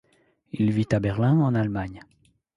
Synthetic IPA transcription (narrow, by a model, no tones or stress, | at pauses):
ilvit̪abɛʁlɛ̃ɑ̃nalmaɲ